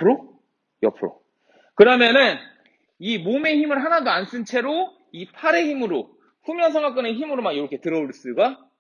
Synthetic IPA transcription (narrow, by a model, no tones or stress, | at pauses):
pʰɯɾo | jʌpʰɯɾo̰ | kɯɾʌmjʌnɯn | imome̞çimɯɭɦanadoans͈ʰɯnt͡ɕʰe̞ɾo | ipʰaɾe̞çimɯɾo | ɸumjʌnsʰaŋak͈ɯne̞çimɯɾomanjoɾʌkʰe̞tɯɾʌuɭs͈ɯɡa